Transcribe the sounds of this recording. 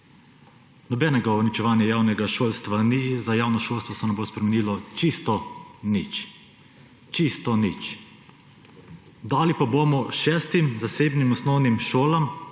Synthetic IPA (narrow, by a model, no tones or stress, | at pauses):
nɔbɛnɛɡaɔnit͡ʃɛʋaːnjajaːwnɛɡaʃoːlst̪ʋanizajaːwnɔʃolst̪ʋɔsɛnɛmbospɾɛmɛniːlɔt͡ʃist̪ɔnit͡ʃ | t͡ʃist̪ɔnit͡ʃ | d̪aːlipabomɔʃɛːst̪imzaseːbnimɔsnɔwnimʃoːlam